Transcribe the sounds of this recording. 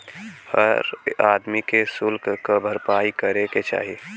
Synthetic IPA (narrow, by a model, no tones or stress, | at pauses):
həɾaːd̪mikesʊlkkabʱəɾpaːikəɾeket͡ʃa̰ːɦie